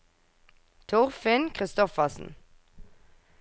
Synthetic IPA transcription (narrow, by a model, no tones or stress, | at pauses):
t̪ʰʊʁfɪnkʰʁɪst̪ɔfəsn̩